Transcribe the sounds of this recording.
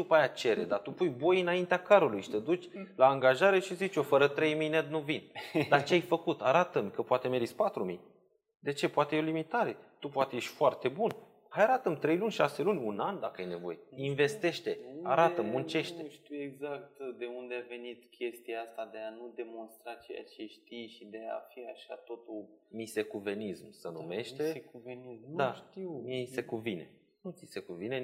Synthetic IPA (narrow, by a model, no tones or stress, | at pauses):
d̪upajat͡ʃe̞ɾed̪at̪upujbo̞jɨnaint̪eakaɾulujʃi̥t̪e̞d̪ut͡ʃʲlaːŋɡaʒaɾe̞ʃizit͡ʃo̞fəɾət̪ɾe̞jmijned̪nuvind̪at͡ʃeajfəkut̪aɾat̪əmkəpoat̪e̞me̞ɾispat̪ɾumij | d̪e̞t͡ʃe̞poat̪ejolimit̪aɾe̞t̪upoat̪ejeʃʲfoart̪e̞bun | hajaɾat̪əmt̪ɾe̞jlunʲʃase̞lunʲunand̪akəajne̞vo̞̰je̞inve̞st̪e̞ʃt̪e̞aɾat̪əmːunt͡ʃe̞ʃt̪eʃt̪iweɡzak̚t̪d̪e̞und̪eave̞nit̪kʲe̞st̪iaast̪ad̪eanud̪e̞mo̞nst̪ɾat͡ʃe̞ja̰t͡ʃe̞ʃt̪ijʃid̪e̞a̰fiaʃa̰t̪o̞t̪umise̞kuve̞nismsənṵme̞ʃt̪e̞uvenizd̪aʃt̪iwmiese̞kuvine̞ | nut̪sise̞kuvine